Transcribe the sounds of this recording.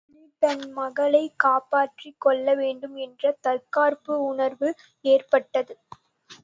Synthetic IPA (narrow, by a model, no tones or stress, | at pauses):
m | pɐnmɐɣɐɭɐɪkaːpaːʈrikːɔɭːɐʋeːɳɖɯmɛndrɐt̪ɐlkaːrpɯʊnɐɾʋɯ | eːrpɐʈːɐðɯ